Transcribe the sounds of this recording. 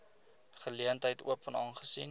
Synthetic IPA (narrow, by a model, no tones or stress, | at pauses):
χəliəntɦəjtṵəpənɑːnχəsin